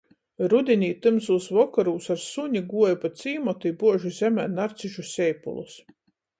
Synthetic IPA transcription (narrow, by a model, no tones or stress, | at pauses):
ɾud̪ʲinʲiːt̪ɨmsuːsvɔkaɾuːsaɾsuɲʲiɡuɔjpat̪sʲiːmɔt̪iːbuɔʒuzʲɛmʲæːnaɾt̪siʒusʲɛjpṵlˠṵs